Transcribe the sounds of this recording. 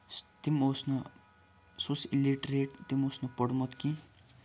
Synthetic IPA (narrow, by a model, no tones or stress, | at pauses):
t̪imosnɐ | sosiliʈɾeːʈ̚t̪imosnɐpəɽmɐt̪ki